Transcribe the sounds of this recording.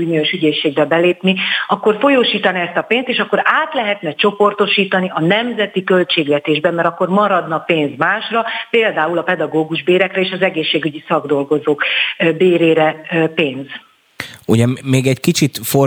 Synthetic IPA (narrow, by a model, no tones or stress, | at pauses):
unioʃyɟeːʃːeːɡbɛbɛleːpniɒkːo̞rfo̞joːʃiːt̪ɒniɛst̪ɒpeːnst̪eːʃɒkːo̞ɾaːt̪lɛɦɛt̪nɛt͡ʃo̞po̞rt̪o̞ʃiːt̪ɒniʔɒnɛmzɛt̪ikø̞lt͡ʃeːɡlɛt̪eːʒbɛmːɛɾɒkːo̞rmɒɾɒd̪nɒpeːnzmaːʃrɒpeːld̪aːulɒpɛd̪ɒɡoːɡuʒbeːɾɛkrɛeːʃɒzɛɡeːʃːeːɡyɟisɒɡd̪o̞lɡo̞zoːkbeːɾeːɾɛpeːnz | uɟɛmeːɡɛckit͡ʃit̪fo